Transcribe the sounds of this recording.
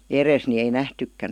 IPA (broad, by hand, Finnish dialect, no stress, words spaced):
eres ni ei næhtykːæn